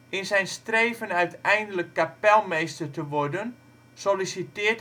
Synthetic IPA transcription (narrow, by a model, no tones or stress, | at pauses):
ɪnsɛjnstreːvənœɥtɛjndələkːapɛlˠmejstərtəʋɔrdən | solisitɪət